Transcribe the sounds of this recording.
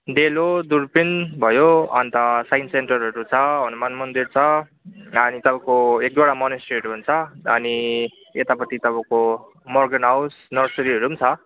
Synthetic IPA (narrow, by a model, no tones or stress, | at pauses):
d̪elod̪uɾpinbʱʌjoʌ̰nt̪ʌsajnsenʈʌrɦʌɾut͡sʰʌɦʌnumanmʌnd̪irt͡sʰʌ | ʌnit̪ʌbʌkoek̚d̪aɽamʌnesʈreʌʈuɦunt͡sʰʌːni | et̪apʌt̪ʰit̪ʌbʌ̃ko | mʌrɡʌnɦawsnʌrsʌɾiɦʌɾumt͡sʰʌ